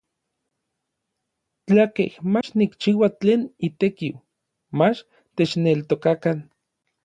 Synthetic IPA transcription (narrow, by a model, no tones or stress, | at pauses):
t͡ɬakehmat͡ʃnikt͡ʃiːwat͡ɬeːnit̪ekiw | mat͡ʃ | t̪et͡ʃnelt̪okakan